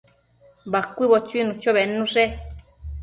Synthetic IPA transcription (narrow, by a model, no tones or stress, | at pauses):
bakʷiβot͡ʃuinũt͡ʃoβenũʐe